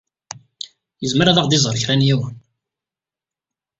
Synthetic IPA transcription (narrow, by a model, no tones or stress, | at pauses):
jəzməɾæðɑʁd̪izˤəɾˤçɾænjiwn